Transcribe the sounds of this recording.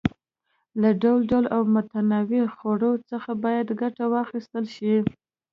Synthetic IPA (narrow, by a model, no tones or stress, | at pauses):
laɖawlɖalʔawmʊt̪anɑwixoɽəwot͡səxabɑjad̪ɡaʈawɑxist̪əlʃi